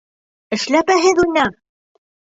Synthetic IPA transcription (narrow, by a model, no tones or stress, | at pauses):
ɘ̆ʃlæpæɦɘðujnɑ